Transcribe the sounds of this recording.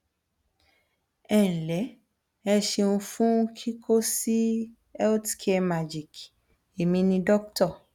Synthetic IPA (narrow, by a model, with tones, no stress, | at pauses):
ɛ˦˨ñ̩˨lɛ˨˦ | ɛ˧ʃe˧ũ˧fũ˦kʰi˦kʰo˦si˦ | ɛ˦ti̥˨kʰe˧ma˨d͡ʒi˨k | e˨mĩ˧nĩ˧dɔ˦k̚tɔ˦˨